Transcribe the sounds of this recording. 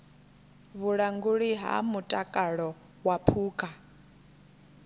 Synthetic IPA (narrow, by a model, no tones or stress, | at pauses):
βuɺaŋɡuɺiɦa̰mutʼakʼaɺɔ | wapʰuːkʼa